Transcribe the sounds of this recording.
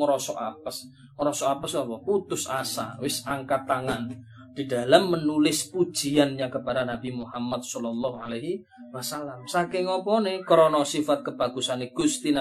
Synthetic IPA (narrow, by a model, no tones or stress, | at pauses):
əɾɔsɔʔapəs | məɾɔsɔapəsawɔput̪ʊsasa̰wɪsaŋkat̪aŋan | d̥idalamːənulɪspu̥ʒ̥i̤anɲakəpadanab̥imuhamat̪̚sɔlɔlːɔhalaɦi | wasalamsakɪŋɔpɔnekɾɔnɔsifat̪̚kəb̥a̤ɡ̥usaneɡ̥ust̪ina